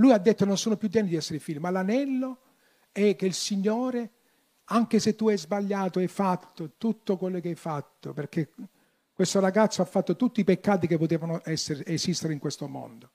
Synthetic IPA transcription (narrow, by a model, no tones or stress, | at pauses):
lujad̪ːet̪ːononsoːnopjud̪ːjɛnːɪd̪iɛsːeɾifilːimalanɛlːo | ɛk̟ːeilsiɲːoːɾe | aŋk̟eset̪ːuɛjzbaʎːaːt̪oɛjfat̪ːot̪ut̪ːokwelːokeajfat̪ːoperk̟e | kwest̪oɾaɡat̪sːoafːat̪ːot̪ut̪ːiipekːaːt̪ikepːot̪ɛːvanoʔɛsːeɾeʔesist̪eɾeiŋkwest̪omo̰nd̪o